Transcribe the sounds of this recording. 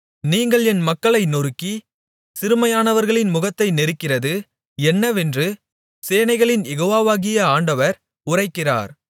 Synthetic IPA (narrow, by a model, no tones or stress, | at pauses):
niːŋɡɐɭɛnmɐkːɐɭɐɪnɔɾɯkːi | sɪɾɯmɐjaːnɐʋɐɾɣɐɭɪnmʊɣɐt̪ːɐɪnɛɾɯkːɪrɐðɯ | ɛnːɐʋɛndrɯ | seːnɐɪɣɐɭɪnjɛɣoːʋaːʋaːɣɪjɐaːɳɖɐʋɐɾ | ʊrɐɪkːɪra̰ːɾ